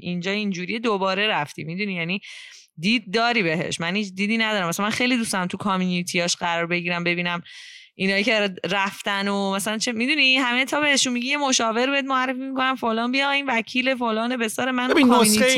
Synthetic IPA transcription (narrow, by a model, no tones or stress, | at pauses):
ʔind͡ʒɒːind͡ʒuːɾijed̪obɒːɾe̞ɾæft̪ʰḭmid̪unijæniː | d̪iːd̪̚ːɒːɾiːbe̞ɦe̞̰ʃmænhiːt͡ʃd̪iːd̪iːnæd̪ɒɾæmʔæsæmænxe̞jlid̪ust̪æmt̪ʰukʰɒmjunit̪ʰiɒʃɢæɾɒːɾbe̞ɟiːɾæmbe̞biːnæm | ʔinhɒːjiceɾæft̪ænomæsælænt͡ʃʰemid̪unihæmet̪ʰɒːbeheʃunmiɟijemo̞ʃɒːveɾbeed̪moærːe̞fimiko̞næmfolɒːnbijɒinvæcʰiːle̞folɒːnebe̞sɒːɾemænkmjuni